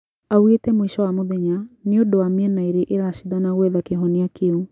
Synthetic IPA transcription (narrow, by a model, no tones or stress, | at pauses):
awetɛmwiʃɔwamoðɛɲaneondowamɛnaeɾeʔeɾaʃiðanaɣwɛðakeɦɔneakʰeo